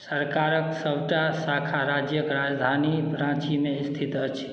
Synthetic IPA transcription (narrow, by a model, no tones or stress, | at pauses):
səɾkaɾəksəbʈasakʰaɾad͡ʒjəkɾad͡ʒd̪ʱanipɾãt͡ʃimest̪ʰit̪ət͡ʃʰi̥